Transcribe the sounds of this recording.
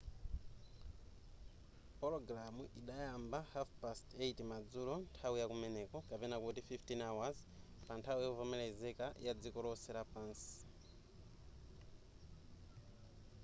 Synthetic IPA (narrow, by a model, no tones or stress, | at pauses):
pɔlɔɡɾamuʔiɗajambahafpasteitimad͡zulɔntʰawujakumɛnɛkɔkapɛnakutififtinawazpantʰawujɛuvɔmɛlɛzɛkajad͡zikɔlɔsɛɾapaːnsi̥